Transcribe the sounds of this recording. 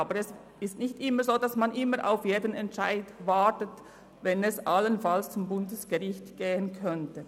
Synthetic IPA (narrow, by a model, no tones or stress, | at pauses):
aːbəɾɛs | ɪstnɪçtʔɪmːəzoːdasmanʔɪmːəɾʔa̰ʊfjeːdənɛntt͡ʃaɪdvaɹtət | vɛnɛsʔalənfalst͡sʊmbʊndəsɡ̥əʁɪçtɡ̥eːənkʰœntə